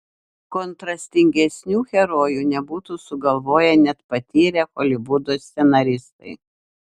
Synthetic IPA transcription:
kɔnt̪ɾɐsʲt̪ʲɪŋʲɡʲɛsʲnʲuːxʲɛɾoːjuːnʲɛbuːt̪uːsʊɡɐlˠʋoːjɛnʲɛt̪pɐt̪ʲiːɾʲɛxɔlʲɪbʊd̪oːst̪ʲsʲɛnɐɾʲɪst̪ɐɪ

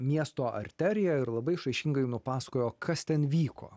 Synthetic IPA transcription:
mʲiɛst̪oːʔɐ̰ɾʲt̪ʲæːɾʲɪjɛɪɾlˠɐbɐɪʃɐɪʃʲɪŋɡɐɪnʊpɑːsɐ̥koːjoːkʰɐst̪ʲɛnʋʲiːkʰo̰ː

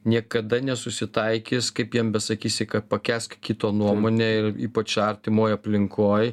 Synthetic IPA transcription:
nʲiɛkɐd̪ɐnʲɛsʊsʲɪt̪ɐɪkʲɪːskɐɪpjiɛmbʲɛsɐkʲiːsʲɪkɐpɐkʲæːskkʲit̪oːnuɔmoːnʲeːɪɾiːpɐt͡ʃɐɾʲt̪ʲɪmoːjɐpʲlʲɪŋkʰoːj

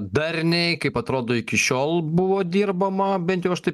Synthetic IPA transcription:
d̪ɐɾʲnʲɛɪkɐɪpɐt̪ɾoːd̪oːɪkʲɪʃʲoːlˠbʊʋoːd̪ʲiːrbɐmɐbʲɛnt̪jɛʊɐʃt̪ɐɪ

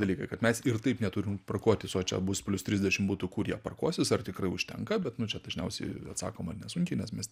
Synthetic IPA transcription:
d̪ɐlʲiːkɐɪkɐt̪mʲɛsɪrt̪ɐɪpnʲɛt̪uɾʲɪmprɐkoːt̪ʲɪsoːt͡ʃʲɛ̰bʊspʲlʲʊst̪ʲɾʲizʲd̪ʲɛʃʲɪmbuːt̪ʊkurjiɛpɐrkoːsʲɪsɐrt̪ʲɪkrɐɪʊʃʲt̪ʲɛ̰ŋkɐbʲɛt̪nʊt͡ʃʲɛd̪ɐʒʲnʲɛʊsʲɛɪɐ̰t̪sɑ̰ːkoːmɐrnʲɛsʊŋʲkʲɪnʲɛsmʲɛs

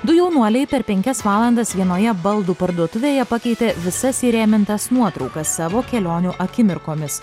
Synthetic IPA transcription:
d̪ʊjɛʊnuɔlʲɛɪpʲɛɾpʲɛŋʲkʲɛsʋɑːlˠɐnd̪ɐsʋʲiɛnoːjɛbɐlˠd̪uːpɐɾd̪uɔt̪ʊʋʲeːjɛpɐkʲɛɪt̪ʲeʋʲɪsɐsiːɾʲæːmʲɪnt̪ɐsnuɔt̪ɾɒʊkɐsːɑːʋoːkʲɛlʲoːnʲuʔɐkʲɪmʲɪɾkoːmʲɪs

